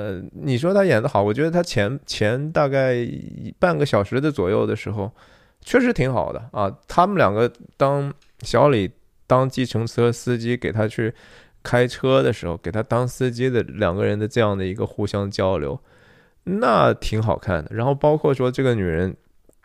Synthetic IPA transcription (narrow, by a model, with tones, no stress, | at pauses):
ə˧ni˨˩ʂ̬wɔ˥t̪ʰa˥jɛ˨˩nd̪ə˦xɑ˨˩˦ʊwɔ˨˩t͡ɕɥɛ˧˥d̪ə˧t̪ʰa˥t͡ɕʰjɛ˧˥nt͡ɕʰjɛ˧˥nt̪a˥˧ka˥˩ɪḭ˧˥pa˥˩nɡə˧˩ɕjɑ˨˩ʊʂɻ̩˧˥d̪ə˧t͡swɔ˨˩jo˥˩ʊd̪ə˩ʂɻ̩˧˥xo˧ʊ | t͡ɕʰɥɛ˥˩ʂɻ̩˧˥t̪ʰi˧˥ŋxɑ̰˨˩ʊd̪ə̰˦ɐ˧t̪ʰa˥mə˨ljɑ̰˨˩ŋɡə˦t̪ɑ˥ŋ | ɕjɑ˧˥ʊli˨˩ | t̪ɑ˥ŋt͡ɕi˥˩ʈ͡ʂʰɤ˧˥ŋt͡sʰɤ˥sɹ̩˥t͡ɕi˥ke˨˩ɪt̪ʰa˥t͡ɕʰy˥˩ | kʰa˥ɪʈ͡ʂʰɤ˥d̪ə˨ʂɻ̩˧˥xo˧ʊke˨˩ɪt̪ʰa˥t̪ɑ˥ŋsɹ̩˥t͡ɕi˥d̪ə˨ljɑ̰˨˩ŋɡə˧ɻə˧˥nd̪ə˧ʈ͡ʂɤ˥˧jɑ˥˩ŋd̪ə˩i˧˥ɡə˧xu˥˩ɕjɑ˥ŋt͡ɕjɑ˥ʊljo̰˧˥ʊ | na˥˩t̪ʰi˧˥ŋxɑ˨˩ʊkʰa̰˥˩nd̪ə˩ɻa˧˥nxo˥˩ʊpɑ˥ʊkʰwɔ˥˩ʂwɔ˥ʈ͡ʂɤ˥˩ɡə˩ny˨˩ɻə˧˥n